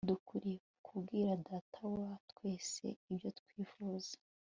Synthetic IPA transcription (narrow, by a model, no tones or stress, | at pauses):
dukuɾikukʰubɡiːɾadaːtʰawaatkwe̞ːse̞̰ibjo̞tkwiːfuːzḁ